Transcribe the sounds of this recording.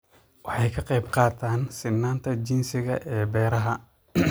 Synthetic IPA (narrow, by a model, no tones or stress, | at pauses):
wɑħɑjkʰɐqɑjbqɑːt̪ʰaːnsɪnːaːnt̪ʰɐt͡ʃɪnsɪɣɐ̰ʔɛːbɛːɾɐɦɐ